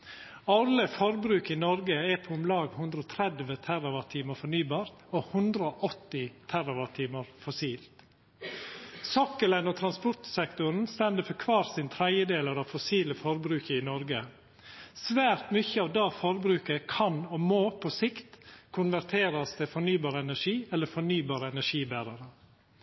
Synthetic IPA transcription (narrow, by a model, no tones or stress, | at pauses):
ɑləfɔɾbɾʉːkɪnɔɾɡəɛpʰɔʊmlɑːɡhʉnd̪ɾəɔːt̪ʰɾɛd̪ʋət̪ʰæɾɑʋɑt̪ʰiːməfɔɳyːbɑːɾt̪ohʉnd̪ɾəoʔɔt̪ːɪt̪ʰæɾɑʋɑt̪ʰiːməɾfɔsiːlt̪ | sɔkːəlɛnɔt̪ʰɾɑnspɔʈ̪sɛkt̪ʊɾn̩st̪ɛnd̪əfɔkʰʋɑːɾsɪnt̪ʰɾæɪəd̪eːləɾɑʋfɔsiːləfɔɾbɾʉːkəɪnɔɾɡə | sʋæːɾt̪myçəɑːʋd̪ɑːfɔɾbɾʉːkəkʰɑnɔmoːpʰɔsɪkt̪kʰʊnʋæɾt̪ʰeːɾɑst̪ɛfɔɳyːbɑːɾəɛnæʂiːɛlːəfɔɳyːbɑːɾəɛnæʂiːbæːɾɑɾə